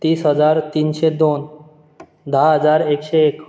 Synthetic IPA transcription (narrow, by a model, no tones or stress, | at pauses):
t̪iːsɦəd͡zaɾt̪iːnɕed̪on | d̪ʱaɦəd͡zaɾekɕeːk